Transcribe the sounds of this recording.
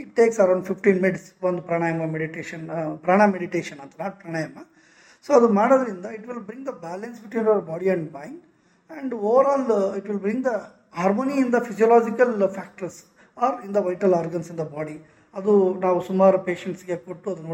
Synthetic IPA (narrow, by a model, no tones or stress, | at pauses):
iʈːeːksɐɾɐ̃w̃ɳɖfifʈĩːnmɪɖsʋɐnd̪upɾaːɳaːjɐmɐmeɽiʈeːʃɐnpɾaːɳ̃ameɽiʈeːʃɐnɐnt̪ɐnaːʈ̚pɾaːɳaːjɐmɐ | soːɐd̪umaːɽod̪ɐɾind̪ɐiʈʋɪlbɾĩŋɡd̪ɐbæːlɐnsbiʈwʋiːnɐʋɐɾbaːɽiɛ̃ɳɖmãj̃ɳɖ | ɐ̃ɳɖoːʋɐɾɔːliʈʋɪlbɾĩŋɡd̪ɐ | haːɾmoːniːnd̪ɐfid͡ʒiɐlaːd͡ʒikɐlfæːk̚ʈɐɾs | aːɾĩnd̪ɐʋɐjʈɐlaːɾɡɐnsind̪ɐbaːɽi | ɐd̪unaːʋusumaːɾupe̞ːʃeɳʈsɡekoʈːuɐd̪unoː